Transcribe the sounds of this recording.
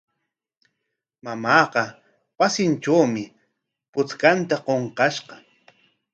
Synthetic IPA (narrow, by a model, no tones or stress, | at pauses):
mamɑːqɑ | wasɪnʈ͡ʂawmɪ | pʊt͡skant̪aqoɴqɑʃqɑ